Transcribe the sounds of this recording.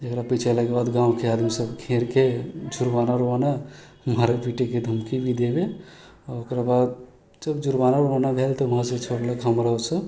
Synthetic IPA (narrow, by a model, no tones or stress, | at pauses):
d͡ʒekɾapit͡ʃʰelakebad̪ɡãwkead̪misəbkʰeɾked͡ʒuɾbanaɾoʋana | maɾepiʈeked̪ʱəmkibid̪ebe | ɔokɾabad̪̚ | d͡ʒəbd͡ʒuɾbanaɾoanabʱelt̪ɔuɦãsẽt͡ʃʰoɽləkɦəmɾaosə